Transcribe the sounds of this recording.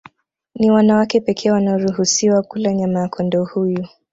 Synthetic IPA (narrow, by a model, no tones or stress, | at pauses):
niwanawakɛpɛkʰɛːwanaɔɾuhusiwakulaɲamakʰɔndɔhuju